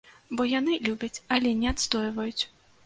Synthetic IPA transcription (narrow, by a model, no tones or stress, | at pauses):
bɔjanɨlʲubʲɐt͡sʲɐlʲɛnʲɛat̪st̪ɔjvɐjut͡sʲ